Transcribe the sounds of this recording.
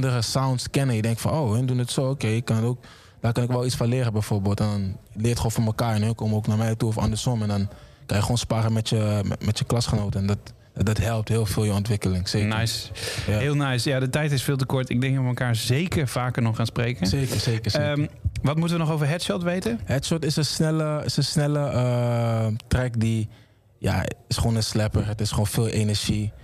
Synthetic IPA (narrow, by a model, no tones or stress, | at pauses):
ndəɾəsawntskɛnəjədɛŋktfɑnowɛndunətsoːokeɪkːɑnətoːk̚ | d̥aːkɑnɪkʋɛlˠit͡sfɔ̃nlɪːɾəbɛjfoːɹbeːlˠtɛndnlɪːɹtχoːnfoməkaːɹɛnøkoːməoːknaːɹmɛjtuɔfɑ̰ndəɹsɔmɛndɔn | kɑnjəχoːnspaːɾəmɛtjəmɛtjəklɑsχənoːtəndɔt | dɑtɦɛlˠp̚tɦɪːlˠfɪːljəɔntʋɪkəlɪŋseːnajsɦɪːlˠnajsjadətɛjtɪsfɪːlˠtəkɔɹtɪɡ̚dɛŋɡɔəməlˠkaːɹzejkəɹv̥aːkəɹnɔχaːnsprejkəekəsekəmʋɑtmutəʋənɔχowvəɹɦɛtʃɔtʋejtənɦɛtsɔtɪsənsnɛləɪsənsnɛləə | trɛkdi | ja̰ɪsχoːnəslɛpərətɪsχoːnfɪːlˠʔenɛɹʒi